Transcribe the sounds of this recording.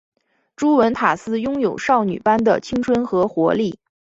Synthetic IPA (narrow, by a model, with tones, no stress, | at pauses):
ʈ͡ʂu˥wə˧˥nt̪ʰa˨˩sɹ̩˥jʊ˥ŋjo˨˩ʊʂɑ˥˩ʊny̰˨˩pa˥nd̪ə˨t͡ɕʰi˥ŋʈ͡ʂʰwə˥nxɤ˧˥xwɔ˧˥li˥˩